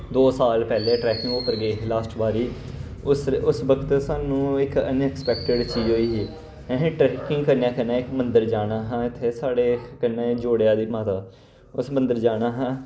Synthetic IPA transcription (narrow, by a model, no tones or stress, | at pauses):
d̪oːsaːlpɛːleːʈɾɛːkɪŋɡoːpəɾɡeːlaːsʈʋaːɾiː | ʊsʊsʋəkʰət̪saːnũːɪkə̰nɛkspɛːk̚ʈəɖt͡ʃiːd͡ʒɦoːiːɦẽː | ɦẽʈɾɛːkɪŋɡkəɾnjãːkənẽːɪkmənd̪əɾd͡ʒaːnaːɦãːɪt̪ʰːeːsaːɽeːkənːeːd͡ʒoːɽejaːd̪iːmaːt̪aː | ʊsmə̃nd̪əɾd͡ʒaːnaːɦãː